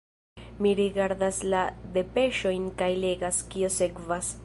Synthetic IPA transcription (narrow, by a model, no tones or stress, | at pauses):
miɾiɡaɾdaslad̪e̞pe̞ʃo̞jnkajle̞ɡaskio̞se̞kvas